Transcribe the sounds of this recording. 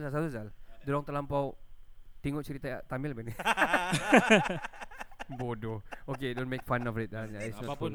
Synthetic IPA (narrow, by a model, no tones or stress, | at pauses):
sasat̪uzaldulɔŋt̪əlampawt̪iŋʊʔ̚t͡ʃəɾit̪aat̪amilbɛni | bodookedõnmek̚fanɔfɪt̪̚anaisɔ